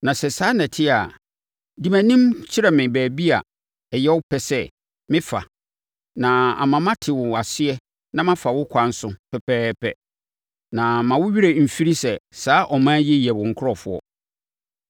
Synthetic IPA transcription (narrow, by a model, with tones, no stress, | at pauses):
nã˨sɛ˨saː˨˦nã˨tʰɪ˦a˨ | di˨mæ̃˨nĩ˦mt͡ɕʰɪ˦ɾɛ˨mɪ̃˨bæː˨bi˦a̰˨ | ɛ˨jɛ˦wʊ˦pʰɛ˨sɛ˦ | mɪ̃˦fa̰˨ | nã˨a̰˨mã˨mã˦tʰɪ˨wʊ˨a˨sɪ˦ɛ˦ | nã˦mã˦fa˨wʊ˦kʷʰã˦n̩˦sʊ̃˦pʰɛ˨pʰɛː˦pɛ̰˨ | nã˨mã˨wʊ˦ɥi˦ɾe˨m̩˨fi˦ɾi˦sɛ˨saː˦ʔɔ˨mãː˦jɛ˦jɛ˨wʊ̃˨ŋ̩˨kʰʊ˦ɾɔ˨fʊ̰˦ɔ̰˨